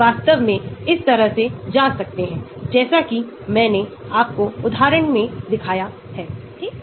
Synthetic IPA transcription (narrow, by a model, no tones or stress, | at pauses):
aːst̪əʋmẽɪst̪ɐɾəɦsed͡ʒaːsɐk̚t̪eɦɛ̃ː | d͡ʒɛːsaki | mɛ̃ːneaːp̚koʊd̪ʱɦaːɾəɳ̃mẽd̪ɪkʰaːja | hɛː